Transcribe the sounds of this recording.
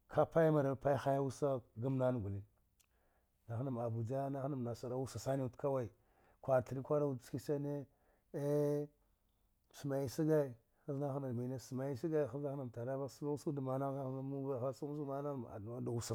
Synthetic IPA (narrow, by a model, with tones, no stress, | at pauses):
kʰa˦pa˦jma˨ɾa˨pa˦i˦xa˦ja˦u˦sa˦ɡa˦mna˦n˨ɡu˨li˦n | na˨xna˨m˨a˨bu˨d͡ʒa˦na˦xna˨m˨na˨sa˨ɾa˦wu˦sa˨sa˦ni˦u˨tka˦wa˦i˨ | kʷa˨ti˨ɾi˦kʷa˦da˦u˦˨ski˦sa˦ne˦ | e˦ | su˨ma˨ji˦si˦ɡa˦i˨ | xa˦zna˦xna˨mi˨na˦su˨ma˨ji˦si˦ɡa˦i˨xa˦a˦xna˨m˨ta˨ɾa˦ba˦sa˦u˦su˦da˨ma˨na˦a˦xa˦mu˦ba˦˨xa˦su˦u˦sma˦na˦˨a̰˨da˦da˨wu˨sa˨